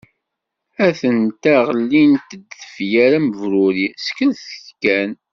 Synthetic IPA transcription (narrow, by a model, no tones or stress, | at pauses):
æθənt̪æʁəlːint̪əd̪ːəfjæɾæməvɾʊɾiskənθəçkːæn